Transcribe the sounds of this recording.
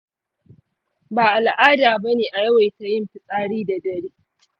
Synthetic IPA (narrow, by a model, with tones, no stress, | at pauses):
baː˨ʔa˨lʔaː˦daː˨bɐ˦neː˨ʔa˨jɐ˦wa˨jta˦jɪ˦mɸɪ˦sʼaː˦ɽiː˦da˨dɐ˨ɽiː˦